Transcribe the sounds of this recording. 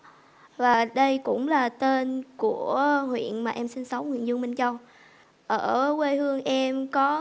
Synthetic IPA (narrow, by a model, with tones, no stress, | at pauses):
vaː˨˩ɗə˧jkʊ̰˧˥ŋ͡mlaː˨˩t̪e˧nku˧˩əhwḭ˧˨ənmaː˨˩ʔɛ˧msi˧nsə˨˦wŋ͡mŋwḭ˧˨ənzɨ˧əŋmï˧˩ŋt͡ɕə˧wŋ͡m | ʔəː˧˩kwe˧hɨ˧əŋʔɛ˧mkɔ˨˦